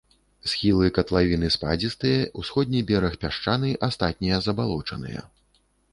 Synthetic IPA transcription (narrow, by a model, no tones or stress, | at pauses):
sxʲilˠɨkɐt̪lˠavʲinɨspa̰d͡zʲist̪ɨjɐusxɔd̪̚ʲnʲijbʲɛɾɐxpʲaʂt͡ʂanɨjʔast̪at̪̚ʲnʲijɐzɐbalˠɔt͡ʂɐ̰nɨ̰jɐ̰